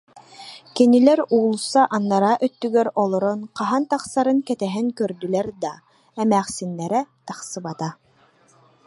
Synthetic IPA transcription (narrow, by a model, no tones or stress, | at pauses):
kinilɛɾuːlˠusːaʔanːaɾaʔœt̪ːyɡɛɾɔlˠɔɾɔnqaɦant̪aqsaɾɯŋkɛt̪ɛɦiŋkœɾd̪ylɛɾd̪a | ɛmæːχsinːɛɾɛt̪aχsɯbat̪a